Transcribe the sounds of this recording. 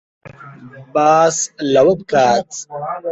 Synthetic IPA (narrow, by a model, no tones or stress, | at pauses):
baːslɐwət̪̚kaːt͡s